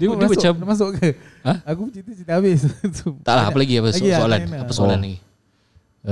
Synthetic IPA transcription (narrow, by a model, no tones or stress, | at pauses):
didibat͡ʃamas̬ʊʔkəaakut͡ʃint̪ət͡ʃint̪əabɪst̪ut̪aʔlaɦapalaɡiapassoalanaasoalanaɡi